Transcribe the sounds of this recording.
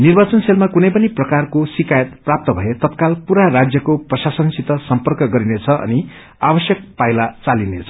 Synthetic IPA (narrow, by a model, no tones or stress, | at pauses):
nirbat͡sʌnselmakunʌjpʌniprʌkarkosikajʌt̪̚prap̚t̪ʌbʱʌjet̪ʌt̪kalpuɾarad͡zjʌkoprʌsasʌnsit̪ʌsʌmpʌrkʌɡʌɾinet͡sʰʌʔʌ̰ni | abʌsjʌk̚pajlat͡salinet͡sʰʌ